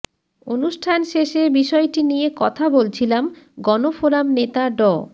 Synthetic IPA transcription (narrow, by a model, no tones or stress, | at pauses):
onuʃʈʰanʃeʃebiʃɔeʈinijekɔt̪ʰabolt͡ɕʰilamɡɔnofoɾamnet̪aɖɔ